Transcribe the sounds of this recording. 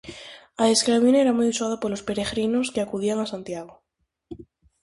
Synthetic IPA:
aeskɾaβineɾamujusað̞apolo̞spe̞ɾe̞ɣɾinoskeakuð̞iaŋasant̪jaɣ̞o

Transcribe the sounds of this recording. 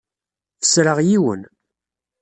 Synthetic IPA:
θə̥sɾəʁjiwə̰n

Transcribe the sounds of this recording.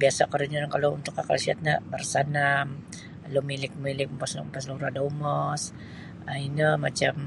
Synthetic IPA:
biasakəɾuɲunankalount̪ʊkakalsia̰t̪̚ɲabərsanam | lomilɪk̚milɪk̚əmpasnmpasluɾadaumɔs | ainəmat͡ʃam

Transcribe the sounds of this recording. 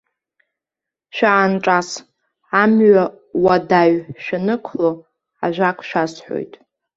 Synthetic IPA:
ʃᶣaʕanʈ͡ʂʼas | amɥa | wadaɥʃᶣanɨkʷʰlo | aʒʷᶣakʷʰʼʃᶣasħʷo̰jtʼ

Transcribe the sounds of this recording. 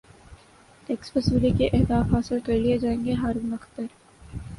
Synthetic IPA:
t̪ɛkspɐsəɾikeʔɛɦd̪aːfɦaːsɪlkɐɾlied͡ʒaːẽːŋɡeɦaːɾũːmɐxt̪əɾ

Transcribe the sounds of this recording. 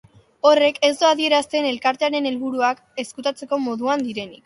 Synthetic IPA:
o̞re̞ke̞zd̪oaðie̞ɾast̪e̞ne̞lkaɾt̪eaɾe̞ne̞lβuɾuak | e̞skut̪at͡se̞ko̞mo̞ðuand̪iɾe̞nik

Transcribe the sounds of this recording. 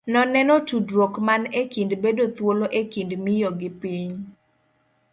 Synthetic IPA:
nɔnɛnɔtudwokmanekindbedot̪woloʔekindmɪjɔɡɪpiɲ

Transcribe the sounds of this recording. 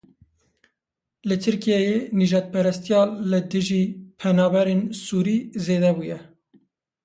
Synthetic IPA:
lɨt̪ʰɨɾkijɛjeniʒɑːt̪̚pʰɛɾɛst̪ijɑːlɨd̪ɨʒiːpʰɛnɑːbɛɾeːnsuːɾiːzeːd̪ɛbujɛ

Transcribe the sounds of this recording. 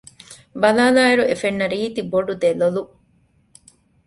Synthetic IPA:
bɐlaːlaːiɾuefenːɐɾiːt̪iboɖud̪elolu

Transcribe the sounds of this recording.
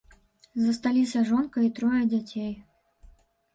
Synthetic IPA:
zɐst̪alʲisʲɐʐɔnkɐit̪ɾɔjɐd͡zʲat͡sʲej

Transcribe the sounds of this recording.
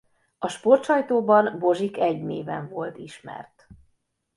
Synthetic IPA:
ɒʃpo̞rt̪ʃɒjt̪oːbɒnbo̞ʒikɛɟneːvɛɱvo̞lt̪iʃmɛ̰rt̪

